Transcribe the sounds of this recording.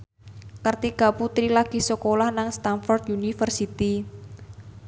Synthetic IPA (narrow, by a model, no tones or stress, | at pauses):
kərt̪iɡ̥aput̪ɾilaɡ̥i̤səkolahnaŋst̪anfɔrd̪unifərsit̪i